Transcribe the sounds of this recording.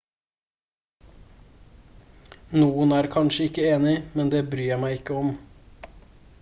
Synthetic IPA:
nuːənæːɾkʰɑnʃəɪkəeːnɪmɛnd̪eːbɾyːæmæɪɪkəɔm

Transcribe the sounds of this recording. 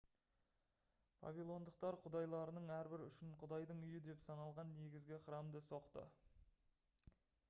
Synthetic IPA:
pʰɑ̰vijlˠo̞nd̪əq̚t̪ɑɾqʰʊd̪ɑjlˠɑɾənəɴæɾbɪɾʏ̰ʃɪɴqʰʊd̪ɑjd̪əɴʏjɪd̪e̞psɑnɑlˠʁɑnːe̞ɡʲɪzɡʲɪqəɾɑmd̪əso̞qt̪ə̰

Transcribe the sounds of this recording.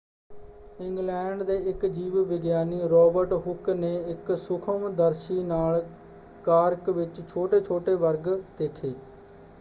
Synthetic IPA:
ɪŋɡlɛːɳɖd̪eːɪkd͡ʒiːʋʋɪɡjaːniːɾɔːbəɾʈɦʊkneːɪksʊkʰəmd̪əɾʃiːnaːl | kaːɾkʋɪt͡ʃt͡ʃʰoːʈeːt͡ʃʰoːʈeːʋəɾɡd̪̥eːkʰeː

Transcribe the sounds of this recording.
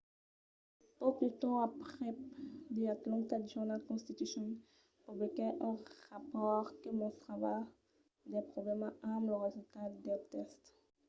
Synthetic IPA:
popyt̪ɑ̃apχɛd̪eat̪lɑ̃t̪ad̪ʒuʁnalkɔ̃st̪it̪ysjɔn | pubɔkɛʔɔ̃ʁapɔʁkəmɔ̃sχava | d̪ɛpχɔblɛmaamləʁezylt̪ad̪ɛt̪ɛst̪

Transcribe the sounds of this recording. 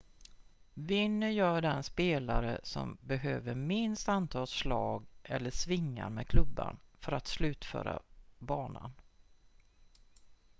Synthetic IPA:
vɪnːəjœːɖɛnspeːlaɾə̰sɔ̰mbɛhøːvəɾmɪnst̪ant̪ʰɑːlʂlɑːɡʔɛlːəʂvɪŋːaɾmɛːkʰlɵbːa̰nfœɾat̪slʉ̟ːt̪fœ̰ːɾa̰bɑːnan

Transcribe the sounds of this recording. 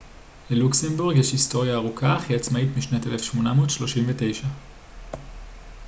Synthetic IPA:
leluksembuʁɡjeʃhisto̞ʁjaːʁukʰaχiat͡smaitmiʃnatelefʃmo̞namoːdʃlo̞ʃimvete̞jʃa

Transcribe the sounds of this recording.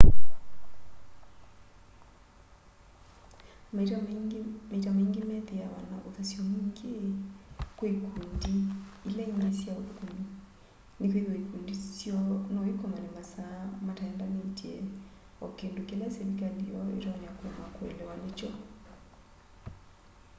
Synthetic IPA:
m | metameŋɡemɛðeawanaoðasjɔmiŋɡe | koikundiilɛiŋɡesjaokumi | nekweðoikundisjɔnɔikɔmanemasamataɛndamentiɛ | ɔkendokelaseɾikaliɔḛtɔɲakwɛmakwḛlɛwanet͡ʃɔ

